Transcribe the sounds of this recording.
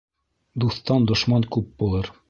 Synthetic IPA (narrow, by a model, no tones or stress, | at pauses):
d̪uθt̪ɑnd̪ŏʃmɑŋkʉp̚bulˠɤɾ